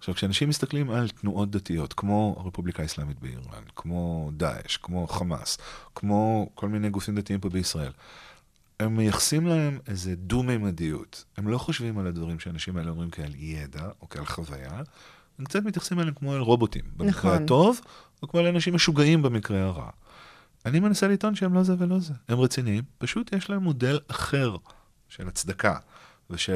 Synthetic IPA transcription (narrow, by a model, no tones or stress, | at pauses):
aχʃavkʃeanaʃimːist̪ɐklimalt̪nuʔo̞t̚d̪atijo̞tkmo̞a̰ʁe̞publikaislamit̚bḛḭʁa̰nkʰmo̞d̪a̰ʔḛʃkmo̞χama̰skmo̞kʰo̞lminejɡufimd̪atiimbobeisʁae̞l | e̞mːejaχsimlahe̞mezedumejmadiṵte̞mlo̞χo̞ʃvimaladvaʁimʃeanaʃimaeleo̞mʁimkialjedaokealχava̰ja̰ | hemkt͡sat̪mitjaχsimlaleemkmo̞alʁo̞bo̞t̪ḭmbenmikʁeato̞v | okmoleanaʃimaʃuɡaimbemikʁeaʁa̰ | animenaselito̞nʃeemlo̞zevelo̞zehemʁet͡siniimpaʃut̪jeʃlae̞mːo̞de̞laχe̞ʁ | ʃelat͡sd̪aka̰ | veʃe